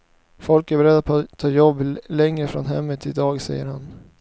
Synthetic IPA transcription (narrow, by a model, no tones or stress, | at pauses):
fɔlkæɾbɛɾɛd̪ːatt̪ʰːɑːjɔbːlɛŋɾəfɾɔnɦɛmːət̪ʰːɪd̪ɑːɡsɛjːəɾhan